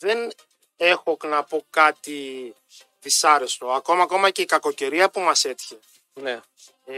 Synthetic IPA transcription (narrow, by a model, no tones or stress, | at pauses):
ðen | e̞xo̞knɐpo̞kɐt̪i | ðisɐɾe̞st̪o̞ɐko̞mɐːko̞mɐce̞ikɐko̞ce̞ɾiɐpumɐse̞t̪çe | ne